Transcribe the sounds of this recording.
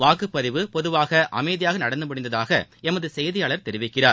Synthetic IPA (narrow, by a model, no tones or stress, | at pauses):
ʋaːkɯpːɐðɪʋɯpɔðɯʋaːɣɐʔɐ̰mɛɪðɪjaːɣɐnɐɽɐnd̪ɯmɐɽɪnd̪ɐðaːɣɐ̰ɛmɐðɯsɛjðɪjaːɭɐɾt̪ɛɾɪʋɪkːɪraːɾ